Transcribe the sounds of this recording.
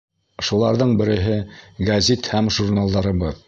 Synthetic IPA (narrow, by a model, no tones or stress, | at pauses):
ʃulˠɑɾðɤɴbɘ̆ɾɘ̆ɦɘɡɐzʲit̪hæmʒuɾnalˠd̪ɑɾɤ̆βɤð